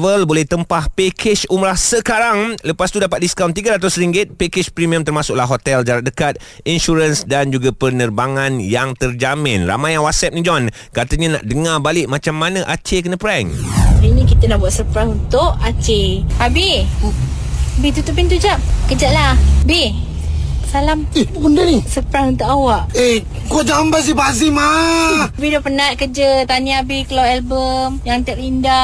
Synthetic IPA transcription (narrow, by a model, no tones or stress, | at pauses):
vəlbolɛht̪əmpahpekʰɪt͡ʃumɾahsəkaɾaŋləpast̪udapat̪̚diskawnt̪̬iɡaɾat̪̬ʊsɾiŋɡɪt̪̚pekɪt͡ʃpɾimiəmt̪ərmasʊk̚laɦot̪ɛld͡ʒaɾat̪̚dəkat̪̚ | inʃuɾənsdand͡ʒuɡapərnərbaŋãnjaŋt̪ərd͡ʒamɪ̃nra̰majaŋwasɛp̚nĩd͡ʒɔn | kat̪əɲãna̰ʔdəŋabalɪʔmat͡ʃamːanãʔat͡ʃekənəpɾɛŋinĩkit̪ənahbuat̪̚səpɾaŋunt̪ʊʔat͡ʃeabi | bit̪ut̪ʊʔ̚pint̪̬ud͡ʒaʔ̚kəd͡ʒaʔlahbi | salamundanisəpɾaŋunt̪ʊʔawaʔe | kuad͡ʒambas̬ibazima | bidɔpənat̪̚kəd͡ʒət̪aniabikəlawɛlbəmjaŋt̪aʔlinda